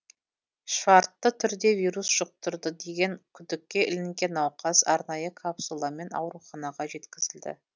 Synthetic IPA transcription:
ʃɑɾt̪ːət̪ʰʏɾd̪e̞vijɾusʒ̥əq̚t̪ʊɾd̪əd̪e̞ɡʲe̞ŋkʲʰʏd̪ɪkʲːe̞ʔɪlɪŋɡʲe̞nɑwqɑsɑɾnɑjəkʰapsulˠɑme̞nɑ̰wɾuχɑnɑʁɑʒe̞t̪kʲɪzɪld̪ɪ̰

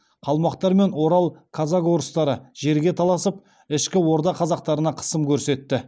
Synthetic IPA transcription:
qʰɑlˠmɑqt̪ɑɾme̞nwo̞ɾɑlˠkʰazako̞ɾəst̪ɑɾəʒe̞ɾɡʲe̞t̪ʰɑlˠɑsəp̚ | ɪʃkʲɪwoɾd̪ɑqʰɑzɑq̚t̪ɑɾənɑqʰə̥səmkʲʰɵɾse̞t̪ːɪ

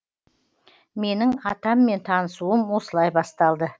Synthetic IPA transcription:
me̞nɪŋɑt̪ɑmːe̞nt̪ʰɑnəsuəmwo̞səlˠɑjbɑst̪ɑlˠd̪ə

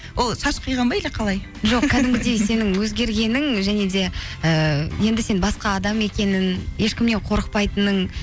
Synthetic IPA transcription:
wʔo̞lˠʃɑʃqʰəjʁɑmbɑjleqʰɑlˠɑj | ʒo̞qkʲʰæd̪ɪmɡʲɪd̪e̞jse̞nɪŋwɵzɡʲe̞ɾɡʲe̞nɪŋʒæne̞d̪e̞əje̞nd̪ɪse̞nbɑsqɑːd̪ɑme̞kʲe̞nɪnje̞ʃkʲɪmne̞ɴqʰo̞ɾəq̚pɑjt̪ənəɴ

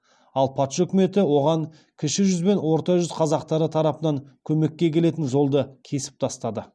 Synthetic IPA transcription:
ɑlˠpʰɑt̪ʃɵkʲɪme̞t̪ɪwo̞ʁɑɴ | kʲʰɪʃɪʒʏzbe̞nwo̞ɾt̪ɑʒʏzqʰɑzɑqt̪ɑɾət̪ʰɑɾɑpənɑŋkʲʰɵme̞kʲːe̞kʲʰe̞le̞t̪ɪnʒo̞lˠd̪əkʲʰe̞sɪ̥p̚t̪ʰɑst̪ɑd̪ə

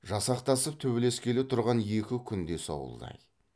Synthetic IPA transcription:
ʒɑsɑqt̪ɑsəp̚t̪ʰɵbele̞skʲʰe̞lɪt̪ʰʊɾʁɑnje̞kʲɪkʲʰʏnd̪e̞so̰wə̰lˠd̪ɑ̰j

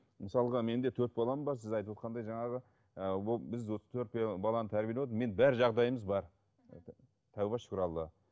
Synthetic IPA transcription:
məsɑlˠəʁɑme̞nd̪e̞t̪ʰɵɾt̪bɑlˠɑməmbɑɾsɪzɑjt̪əpwo̞t̪̚qɑnd̪ɑjʒɑɴɑʁə | əwobɪzwo̞sə̥t̪ʰɵɾt̪̚bbɑlˠɑnət̪ʰæɾbijeeot̪əme̞nbæɾʒɑʁd̪ɑjəməzbɑɾ | t̪ʰæwbɑʃkɾɑlˠːə

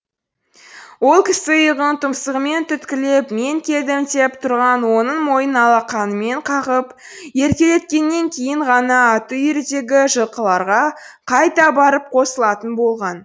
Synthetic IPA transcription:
wo̞lˠkʲʰɪsɪjəʁənt̪ʰʊmsəʁəme̞nt̪ʰʏt̪kʲɪle̞pme̞ŋkʲʰe̞ld̪ɪmt̪e̞pt̪ʰʊɾʁɑnwo̞nəɴmo̞jənɑlˠɑqʰɑnəme̞ɴqʰɑʁəp | je̞ɾkʲe̞le̞t̪̚kʲe̞nːe̞ŋkʲʰe̞jɪɴʁɑnɑːt̪ujɪɾd̪e̞ɡʲɪʒəlˠqəlˠɑɾʁɑ | qʰɑjt̪ɑbɑɾəp̚qʰo̞səlˠɑt̪ənbo̞lˠʁɑn

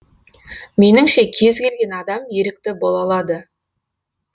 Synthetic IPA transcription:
me̞nɪŋʃe̞kʲʰe̞zkʲe̞lɡʲe̞nɑd̪ɑmje̞ɾɪk̚t̪ɪbolˠɑlˠɑd̪ə

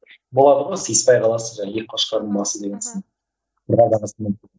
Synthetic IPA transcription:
bolˠɑd̪əʁojsijspɑjqʰɑlˠɑsəzʒɑjek̚ʲqʰɑʃqɑɾəmˠsəzd̪eɡʲensɪn | bəɾʁɑɾd̪ɑʁəsəme

